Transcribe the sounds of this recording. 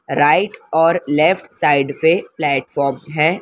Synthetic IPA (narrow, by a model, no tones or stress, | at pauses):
ɾaːɪʈɔːɾlɛːfʈsaːɪɖpeplɛːʈfɔːɾmɦɛ̃ː